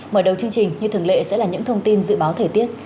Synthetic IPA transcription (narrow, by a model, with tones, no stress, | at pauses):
məː˧˩ɗə˨˩wt͡ɕɨ˧əŋt͡ɕï˨˩ŋ̟ɲɨ˧t̪ʰɨ˧˩ŋlḛ˧˨sɛ̰˧˥laː˨˩ɲɨ̰˧˥ŋt̪ʰə˧wŋ͡mt̪i˧nzɨ̰˧˨ɓaː˨˦wt̪ʰəː˨˩jt̪i˦˥ət̚